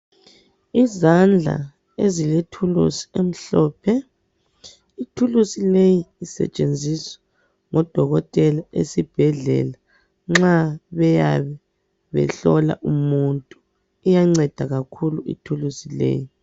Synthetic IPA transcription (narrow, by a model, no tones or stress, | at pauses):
izand͡ɮʱa̰ | eziletʰulṵsi̥em̩ɬɔːpʰɛ | itʰulusilejiːsɛ̰t͡ʃʼend͡zʱiswɛ̥ | ŋɔd̥ʱɔɣɔtʼɛlaʔesib̥ʱɛɮɛ̰la | ŋ͡ǁaβɛjaβɛ | βɛ̰ɬɔla̰ʔumuntʼu | ijaŋ͡ǀɛd̥ʱaɣakʰuluḭtʰulusilḛji